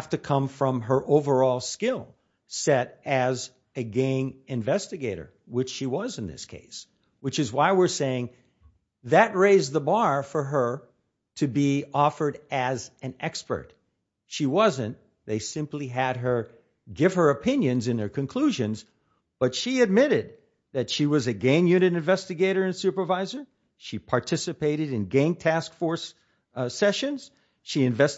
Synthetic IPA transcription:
ftɨkʰʌ̃ɱfɹʌ̃mə˞ʔoʊvə˞ɔlˠskɪlˠ | sɛɾɨz | ɨɡẽɪ̃ŋɨ̃ɱvɛstɨɡeɪɾə̰˞ | wɨt͡ʃʃiwʌz̃n̩ðɪ̰skʰḛɪs | wɨt͡ʃɨzwaɪwɪɹseɪɪ̃ŋ | ðɨt̚ɹeɪzðəbɑɹfə˞ə˞ | ɾʰɨbiɔfə˞ɾɨzɨ̃nɛkspə̰˞t̚ | ʃiwʌzɨ̃n | ðeɪsɪ̃mpliɨd̚ə˞ | ɡɪv̥ə˞ɨpʰɪ̃njɨ̃nzɨ̃nðə˞kʰɨ̃nkʰl̥uʒɨ̃nz | b̥ʌtʃiɨd̚mɪɾɪd̪̚ | ðɨtʃiwʌzɨɡẽɪ̃njʉnɨɾɨ̃ɱvɛstɨɡeɪɾə˞ɨ̃nsʉpə˞vaɪzə˞ | ʃipʰɑɹtʰɪsɨpeɪɾɨɾɨ̃nɡæ̃ŋtʰæskfɔɹs | sɛʃɨ̃nz̥ | ʃiɨ̃ɱvɛs

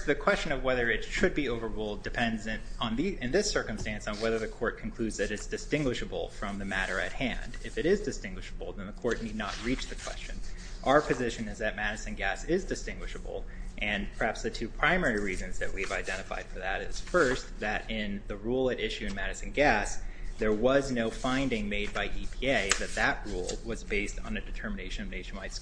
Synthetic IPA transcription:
ðɨkʰw̥ɛst͡ʃɨ̃nʌvwɛðə˞ɨtʃɨd̚bioʊvə˞ɹulˠdɨpʰɛ̃ndzɨ̃nn̩ðiɨ̃nðɪsɜ˞kɨ̃m̩stæ̃nsn̩wɛðə˞ðɨkʰɔɹt̚kʰn̩kʰl̥ʉdzðɨɾɨtsd̥ɨstɪ̃ŋɡwɨʃɨbl̩ˠfɹʌ̃mðɨmæɾə̰˞ɨ̰t̚hæ̰̃ndɪfɨɾɪzdɨstɪ̃ŋɡwɨʃəbl̩ˠðɨ̃nðəkʰɔɹtⁿnidⁿnət̚ɹit͡ʃðɨkʰw̥ɛ̰st͡ʃɨ̃n | ʔaʊə˞pʰɨzɪʃɨ̃nɨzðɨt̚mæɾɨsɨ̃n̩ɡæsɪzdɨstɪ̃ŋɡwɨʃəbl̩ˠʔɨ̃npʰə˞hæpsðɨtʰʉpʰɹ̥ãɪ̃mɛɹiɹizɨ̃nzðɨt̚wiɨvaɪdɛ̃ɾ̃ɨfa̰ɪd̥fə˞ðɨɾɪz̥fɜ˞sðɨɾɪ̃nðɨɹulˠɨɾɪʃʉɨ̃nmæɾɨsɨ̃n̩ɡæsðə˞wʌznoʊfãɪ̃ndɪ̃ŋmeɪd̚baɪʔipʰieɪðɨt̪̚ðɨʔ̚ɹṵlˠwʌzbeɪstn̩ɨdɨtʰɜ˞mɨneɪʃɨ̃nmɨneɪʃn̩maɪts

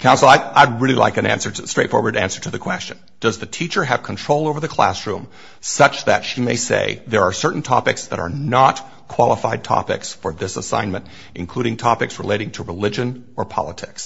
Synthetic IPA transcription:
kʰãʊ̃nsl̩ˠaɪaɪd̚ɹɪlˠila̰ɪkɨ̃næ̰̃nsə˞stɹ̥eɪtfɔ̰ɹwə˞ɾæ̰̃nsə˞ɾɨðɨkʰw̥ɛst͡ʃɨ̃n | d̥ʌzðɨtʰit͡ʃə˞ɨv̥kʰn̩tʰɹ̥oʊlˠoʊvə˞ðɨkʰl̥æ̰sɹʉ̃m | sʌt͡ʃðɨtʃimeɪsḛɪðə˞ːsɜ˞ʔn̩tʰɑ̰pɨksðə̰ɾə̰˞nət | kʰw̥ɑlˠəfaɪd̚tʰɑ̰pɪ̰ksfə˞ðɪsəsã̰ɪ̃nmɨ̃nt | ʔɨ̃nkʰl̥uɾɪ̃ŋtʰɑpɨksɹɨleɪɾɪ̃ŋtʰəɹɨlɪd͡ʒɨ̃n | ə˞pʰɑ̰lˠətʰɪks

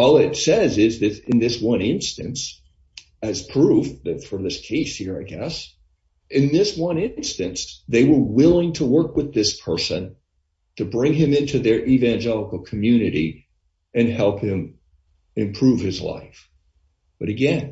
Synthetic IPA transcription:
ɔlˠɪtsɛzɪzðɨɾɨ̃nðɪswʌ̃nɪ̃nstɨ̃ns | ɨz̥pʰɹ̥uvðɨtfə˞ðɪskʰeɪshiɹaɪɡɛs | ʔɨ̃nðɪswʌ̃nɪ̃nstɨ̃nsðeɪwə˞wɪlˠɪ̃ŋtʰəwɜ˞kwəðɪspʰɜ˞sɨ̃n | tʰɨbɹɪ̃ŋɨ̃mɪ̃ntʰʉðə˞ʔivæ̃nd͡ʒɛlˠəkl̩ˠkʰɨmjʉnɨɾḭ | ɨ̃nhɛlˠphɪ̃m | ɨ̃mpʰɹ̥ʉv̥ɨzla̰ɪf | b̥ʌɾɨɡɛ̃n

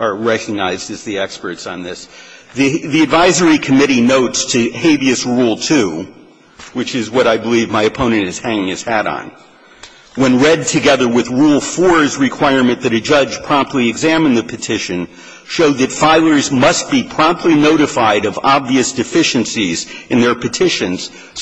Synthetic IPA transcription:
ə˞ɹɛkɨɡ̚naɪzdɨzðiɛkspə˞tsn̩ðɪsðɨðiɨdvaɪzə˞ikʰɨmɪɾinoʊtstʰɨheɪviɨsɹulˠtʰʉ | wɨt͡ʃɪzwʌɾaɪbəlivmaɪɨpʰõʊ̃nɨ̃ntɨz̥hæ̃ŋɪ̃ŋɨz̥hæɾ̰n̩ | wə̃nɹɛd̚tʰɨɡɛðə˞wɨðɹulˠfəɹɨzɹɨkʰw̥aɪɹmɨ̃nðɨɾɨd͡ʒʌd͡ʒ̥pʰɹ̥ɑ̃mp̚tʰˡliɨɡzæ̃mɨ̃nðɨpʰɨtʰɪʃɨ̃n | ʃoʊd̪̚ðɨtfaɪlˠə˞zmʌst̚b̥ipʰɹ̥ɑ̃mp̚tʰˡlinoʊɾɨfaɪɾʌvɑbviɨsd̥ɨfɪʃɨ̃nsizɨ̃nðə˞pʰɨtʰɪʃɨ̃nz̥

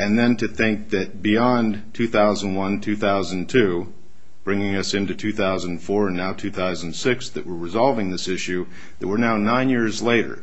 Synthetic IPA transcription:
ɨ̃nðɨ̃ntɨθɪ̃ŋk̚ðɨt̚b̥iɑ̃ntʰʉθaʊzə̃n̩dwʌ̃ntʰʉθaʊzɨ̃ntʰʉ | b̥ɹɪ̃ŋɪ̃ŋʌsɪ̃ntʉtʰʉθaʊzə̃n̩nfɔɹɨ̃nːaʊtʰʉθaʊz̃n̩sɪksðɨʔ̚wəɹɹɨzɑlˠvɪ̃ŋðɪsɪʃʉ | ðɨt̚wəɹnaʊnãɪ̃njɪɹzleɪɾə̰˞

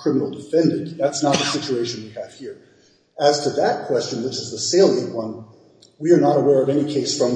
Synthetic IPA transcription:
kʰɹ̥ɪmənl̩ˠdɨfɛ̃ndɨ̃nðætsnət̪̚ðɨsɪt͡ʃueɪʃɨ̃nwiɨv̥hiɹ | ɨz̥tʰɨðət̚kʰw̥ɛst͡ʃɨ̃nwɪt͡ʃɨzðəseɪlˠɪ̃wʌ̃n | wiə˞nəɾəwɛɹʌvɛñikʰeɪsfɹʌ̃m

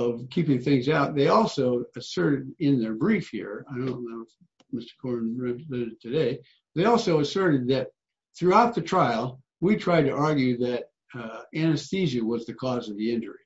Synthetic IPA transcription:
ʌv̥kʰipɪ̃ŋθɪ̃ŋzaʊt̪̚ðeɪɔlˠsoʊɨsɜ˞ɾɨɾɪ̃nðə˞bɹifhḭɹaɪɾõʊ̃nnoʊ | mɪstə̥˞kʰɔɹnɹɛlɛɾɨtʰɨdeɪ | t̪ðeɪɔlˠsoʊəsɜ˞ɾɨd̪̚ðɨt̪̚ | θɹʉaʊt̪̚ðɨtʰɹ̥aɪl̩ˠ | witʰɹ̥aɪd̚tɨʔɑɹɡjʉðɨɾ | ænɨstizɨwʌzðɨkʰɔzʌvðiɪ̃nd͡ʒə̰˞i

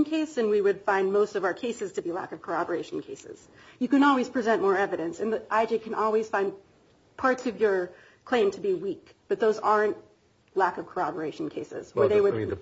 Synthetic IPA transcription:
nkʰeɪsɨ̃nwiwɨd̥fãɪ̃nmoʊstʌvaʊə˞kʰeɪsɨz̥tʰɨbilæ̰kʌv̥kʰə˞ɑbə˞eɪʃn̩kʰeɪsɪ̰z̥ | jɨkɨ̃nɔlˠwiz̥pʰɹ̥izɛ̃nmɔɹɛvɨɾɨ̃nsɨ̃nðiʔaɪd͡ʒikʰɨ̃nʔɔlˠwiz̥fãɪ̃n | pʰɑɹtsʌvjə˞ | kʰl̥ẽɪ̃mtʰɨbiwik | b̥ʌt̪̚ðoʊzɑɹɨ̃nt | lækʌv̥kʰə˞ɑbə˞eɪʃn̩kʰeɪsɪ̰z̥wə˞ðeɪwɨd

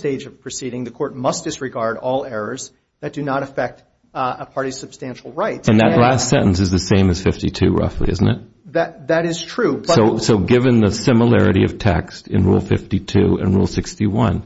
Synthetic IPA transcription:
teɪd͡ʒʌv̥pʰɹ̥ɨsiɾɪ̃ŋðɨkʰɔɹt̚mʌs̚d̥ɪsɹɨɡɑɹɾɔlˠɛɹə˞z | ðɨt̚d̥ɨnəɾɨfɛk̚t | əpʰɑɹɾi̥sɨb̥stæ̃nʃl̩ˠɹaɪtɨ̃nðɨ̰ʔˡlæstsɛ̃ɾ̃n̩sɨzðɨsẽɪ̃mɨz̥fɪftitʰʉɹʌ̰flḭɪ̰zn̩tɨt̚ | ðɨðɨɾɪz̥tʰɹ̥ʉbsʌoʊsoʊɡɪvɨ̃nðəsɪ̃məlɛɹɨ̰ɾiʌ̰v̥tʰɛ̰kstɨ̃nɹṵlˠfɪftitʰʉɨ̰̃nɹṵlˠsɪkstiwʌ̰̃n

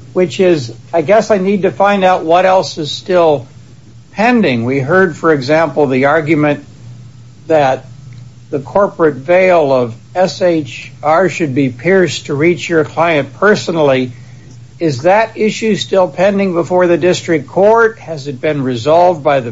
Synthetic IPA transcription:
wɨt͡ʃɪzaɪɡɛsaɪnid̚tɨfãɪ̃ndaʊt̚wʌɾɛlˠsɨz̥stɪlˠ | pʰɛ̃ndɪ̃ŋwiɦɜ˞d̥fə˞ɨɡzæ̃mpl̩ˠðiɑɹɡjɨmɨ̃n | ðɨt̪̚ | ðɨkʰɔɹpɹɨtveɪlˠʌv | ɛseɪt͡ʃɑɹʃɨd̚bipʰɪɹstʰɨɹit͡ʃjə˞kʰl̥aɪɨ̃npʰɜ˞snl̩ˠi | ɪzðɨɾɪʃʉstɪlˠpʰɛ̃ndɪ̃ŋbəfɔɹðɨdɪstɹ̥ɨkʰɔɹt̚hɨzɨt̚b̥ɨ̃nɹɨzɑlˠvdbaɪðɨ

